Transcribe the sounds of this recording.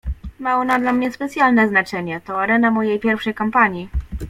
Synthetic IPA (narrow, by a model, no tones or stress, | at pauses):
maɔnad̪lamɲɛspɛt̪sʲjalnɛznat͡ʂɛɲɛt̪ɔaɾɛnamɔjejpʲjɛɾfʂɛjkampaɲi